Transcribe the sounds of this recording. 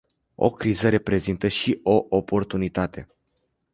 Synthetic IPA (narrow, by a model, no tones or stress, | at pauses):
o̞̰kɾizəɾe̞pɾe̞zint̪əʃiʔo̞ʔopo̞rt̪unit̪at̪e̞